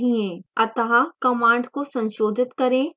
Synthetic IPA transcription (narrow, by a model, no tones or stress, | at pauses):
ɦiẽːɐt̪əɦakɐmãːɳɖkosɐ̃nʃoːd̪ʱɪt̪kɐɾẽː